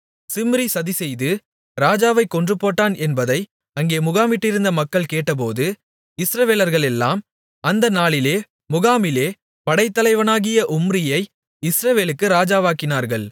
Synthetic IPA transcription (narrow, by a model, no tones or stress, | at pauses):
sɪmɾisɐðisɛjðɯ | ɾaːd͡ʒaːʋɐɪkːɔndrɯpːoːʈːaːnʔɛnbɐðɐɪ | ɐŋɡeːmʊɣaːmɪʈːɪɾɯnd̪ɐmɐkːɐɭkeːʈːɐp̬oːðɯ | ɪsɾɐʋeːlɐɾɣɐɭɛlːa̰ːm | ɐnd̪ɐnaːɭɪleː | mʊɣaːmɪleː | pɐɽɐɪt̪ːɐlɐɪʋɐnaːɣɪjɐʔʊmrɪjɐɪ | ɪsɾɐʋeːlɯkːɯɾaːd͡ʒaːʋaːkɪnaːɾɣɐɭ